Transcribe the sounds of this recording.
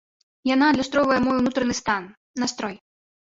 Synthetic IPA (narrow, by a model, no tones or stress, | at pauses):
janad̪lʲast̪ɾɔvɐjɛmɔjwnut̪ɾɐnɨst̪anː | ast̪ɾɔj